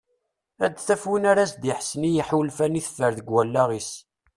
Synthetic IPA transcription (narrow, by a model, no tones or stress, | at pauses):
æd̪θæfwinaɾæsd̪iħsnijəħulfæniθfːəɾðəɡwælːæʁis